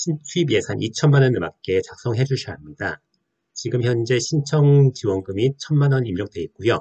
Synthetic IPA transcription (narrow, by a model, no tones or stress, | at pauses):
ɕʰint͡ɕʰuibje̞sʰanʔit͡ɕʰʌnmanʌnɯmak̚k͈e̞t͡ɕak̚s͈ʌŋɦe̞d͡ʑuɭɕʰiɦamɲida | t͡ɕiɡɯmçjʌnd͡ʑe̞ɕʰint͡ɕʰʌŋt͡ɕiwʌnɡɯmit͡ɕʰʌnmanʌnimjʌk̚t͈we̞ik̚k͈ujʌ